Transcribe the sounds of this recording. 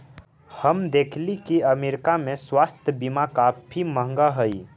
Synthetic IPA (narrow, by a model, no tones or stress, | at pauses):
həmd̪eːkʰlikiəmeːɾkamẽswaːst̪ʰjəbimakaːpʰiməɦŋɡaɦəi